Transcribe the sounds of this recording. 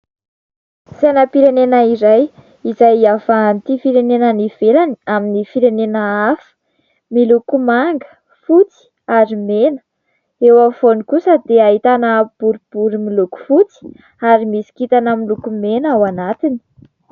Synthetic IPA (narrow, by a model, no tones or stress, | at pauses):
sanapiɾenenəiɾaj | izajafaːnt̪ifiɾenenəniv̥elaniaminifiɾenenəafə̥ | milukumaŋɡə̥ | fut͡si̥ | aɾimenə̥ | ewafonikusəd̪eaɦit̪anəb̥uɾib̥uɾimiluku̥fut͡si̥ | aɾimisi̥kit̪anəmilukumenawanat̪ini̥